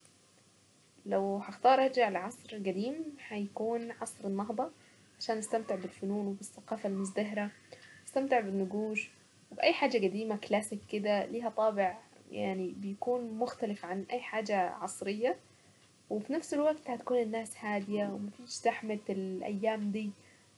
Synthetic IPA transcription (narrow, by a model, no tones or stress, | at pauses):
lawhaxt̪ɑːɾˤɑˤd͡ʒaʕalaʕɑsˤɾɡad̪iːmħajakuːnʕɑsˤɾɪnːɑɦd̪ˤɑ | ʕaʃaːnʔɪst̪amt̪ɪʕbɪlfʊnuːnwɪbɪθːaqɑːfalmʊzd̪aɦɾa | ɪ̥st̪amt̪ɪʕbɪnːʊɡuːʒ | wbʔajːħaːd͡ʒaɡad̪iːmaklaːsɪkːɪd̪aliːɦat̪ˤɑːbɪʕja̰ʕnibjakuːnmʊxt̪alɪfʕanʔajːħaːd͡ʒaʕɑsˤɾɪjːa | wɪfinafsɪlwaɡt̪hat̪ḁkuːnɪnːaːshaːd̪ɪjawɪmafiːʃt̪aħmat̪ɪlʔa̰jːaːmd̪iː